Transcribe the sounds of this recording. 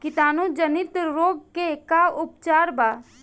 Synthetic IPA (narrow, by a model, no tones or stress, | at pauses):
kɪt̪aːnud͡ʒənɪt̪ɾoːɡ̚kekaʊp̚t͡ʃaːɾbaː